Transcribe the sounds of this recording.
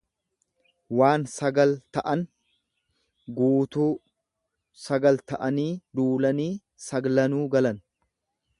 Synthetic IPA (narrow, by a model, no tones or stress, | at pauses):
waːnsɐɡɐlt̪ɐʔɐn | ɡuːt̪uː | sɐɡɐlt̪ɐʔɐniːd̪uːlɐniː | sɐɡlɐnuːɡɐlɐn